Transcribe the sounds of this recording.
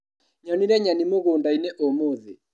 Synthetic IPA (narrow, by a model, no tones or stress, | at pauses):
ɲɔniɾɛɲanimoɣoːndaineʔomoðe